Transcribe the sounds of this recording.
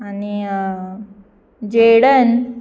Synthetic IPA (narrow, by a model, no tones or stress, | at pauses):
ani | d͡ʑeɽən